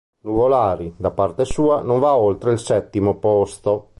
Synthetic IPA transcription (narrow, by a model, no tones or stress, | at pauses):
nuvolaːɾid̪apart̪esuːanõɱvaolt̪ɾeilsɛt̪ːimopost̪o